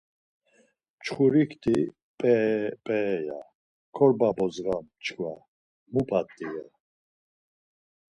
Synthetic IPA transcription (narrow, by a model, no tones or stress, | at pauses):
mt͡ʃʰχuɾikʰt̪ʰi | pʼɛpʼɛːja̰ | kʰɔɾbabɔzɣamt͡ʃʰkʰwa̰ | mupʰat̪ʼːija